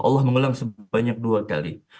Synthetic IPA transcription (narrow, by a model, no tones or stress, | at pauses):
ʔɑ̰lːɑhməŋulaŋsəbaɲak̚duaka̰lḭ